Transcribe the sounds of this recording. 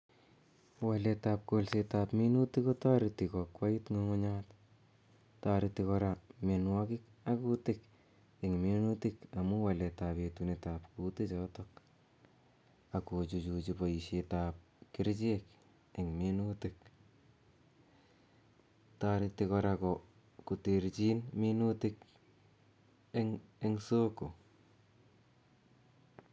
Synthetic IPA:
waletaːp̚kolsetaːpminutikotaɾitikɔkwaitŋoŋʊɲaːt | taɾitɪkɔɾamenwakɪkakutɪk | eŋmenutɪkamuwaletapetunetapkutɪt͡ʃɔtɔk | akot͡ʃut͡ʃut͡ʃipaiʃetap̚ | kɪɾt͡ʃek | eŋmenutɪk | taɾitekɔɾakɔ | kuteɾt͡ʃinminutɪk | eŋeŋsoko

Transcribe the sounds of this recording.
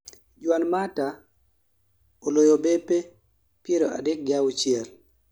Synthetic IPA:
d͡ʒwanmata | olojobepe | pjeɾoʔa̰dɛk̚ɡɪawut͡ʃɪɛl

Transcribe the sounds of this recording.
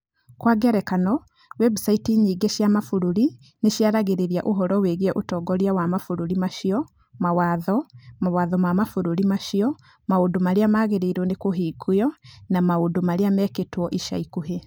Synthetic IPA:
kwaɡɛɾɛkanɔ | wɛbusaitiɲiːɡeʃjamafuɾuɾi | neʃjaɾaɣeɾeɾia̰ʔoɦɔɾɔweɣeɛʔotɔɡɔɾiawamafuɾuɾimaʃiɔ | mawaðɔmawaðɔmamafuɾuɾimaʃiɔ | maondomaɾeamaɣeɾeiɾwɔnekoɦekʰujɔnamaondomaɾeamɛketwɔʔiʃa̰ikuɦe

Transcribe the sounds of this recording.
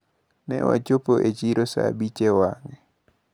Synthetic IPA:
nɛ̰wa̰t͡ʃopoʔet͡ʃiɾosa̰bit͡ʃewaŋɛ

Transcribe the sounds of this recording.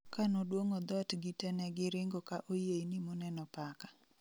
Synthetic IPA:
kanodwoŋod̪ɔtɡɪtɛnɛɡɪɾɪŋɡokaʔojeinimɔnɛnɔpakḁ

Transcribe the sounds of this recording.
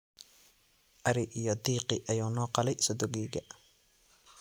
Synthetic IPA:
ʔɐɾɪʔijɔd̪iːqɪʔɐjuːnɔːqɑlɛjsɔd̪ɔɡiːɡɐ

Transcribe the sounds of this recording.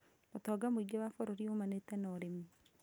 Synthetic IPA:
otɔɡamoiɡewafɔɾɔɾiomanetɛnɔɾemi

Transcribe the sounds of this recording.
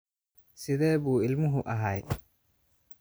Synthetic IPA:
sɪðɛːβuːɪlmʊɦʊʔɐɦɐj

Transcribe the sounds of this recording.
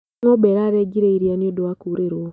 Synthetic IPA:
ŋobeɾaɾeɟiɾeiɾianiodowakuːɾeɾo

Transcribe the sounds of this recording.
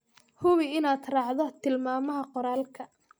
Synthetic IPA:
hʊβɪɪnaːd̪rɑːʕðɔt̪ʰɪlmaːmɐɦɐqɔɾaːlkʰɐ

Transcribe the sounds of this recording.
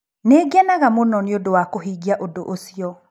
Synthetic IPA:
neɡɛnaɣamonɔneodowakoɦiɡiaʔodoʔosiɔ

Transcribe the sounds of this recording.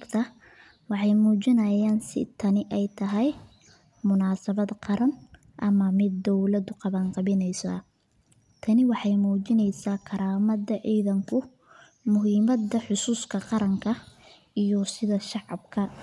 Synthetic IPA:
kt̪ʰɐ | wɑħɑjmuːt͡ʃɪnɐjaːnsɪ̰t̪ʰɐnɪʔɛjt̪ʰɐɦɛj | mʊnaːsɐβɐd̪qɑɾɐn | ʔɐmɐmɪd̪ːɔwlɐd̪ʊqɑβɐnqɑβɪnɛjsɐ | t̪ʰɐnɪwɑħɑjmuːt͡ʃɪnɛjsaːkʰɐɾaːmɐðɐʕiːðɐŋkʰʊ | mʊɦiːmɐd̪ɐħʊsuːskʰɐqɑɾɐŋkʰɐ | ijɔsɪðɐʃɑʕɑbkʰɐ

